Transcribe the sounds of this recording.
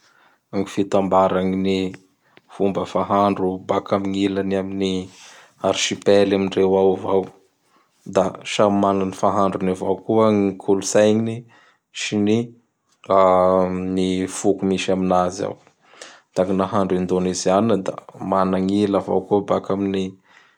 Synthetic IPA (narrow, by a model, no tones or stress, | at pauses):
amifit̪ambaɾaŋini | fumbəfaɦaɳɖ͡ʐubakamiŋilanamini | aɾʃipelamiɳrewawvaw | d̪aʃamananifaɦaɳɖ͡ʐunivawkuəŋikʰulusajɲini | ʃini | anifukumiʃaminaza̰w | t̪aŋinaɦaɳɖ͡ʐind̪onizanːəd̪a̰manaŋilava̰wkubakamini